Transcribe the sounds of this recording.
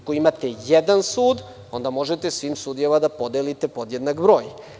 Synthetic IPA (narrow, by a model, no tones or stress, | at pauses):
koimat̪ejed̪ansuːd̪ | o̞nd̪amo̞ʒet̪esʋiːmsud̪ijemad̪apo̞d̪elit̪epod̪jed̪nakbɾo̞ːj